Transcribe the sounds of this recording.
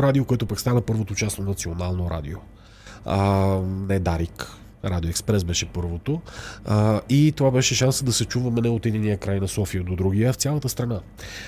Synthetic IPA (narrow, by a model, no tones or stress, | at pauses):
ɾad̪iokoɛt̪ʊpakst̪anəpɤɾvot̪ot͡ʃasonɐt̪sionalˠnoɾa̰d̪ḭo | ənɛd̪aɾik | ɾad̪ioɛkspɾɛsbɛʃɛpɤɾvot̪o | it̪ovabɛʃɛʃansəd̪ɐsɛt͡ʃuvɐmɛnɛot̪id̪inijəkɾajnɐsɔfiəd̪od̪ɾuɡʲijəft̪sʲjalˠɐt̪əst̪ɾɐna